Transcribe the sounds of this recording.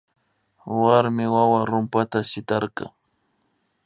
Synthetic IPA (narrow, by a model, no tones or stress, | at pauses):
waɾmɪwawaɾʊmpat̪aʃɪt̪ɑɾqɑ̰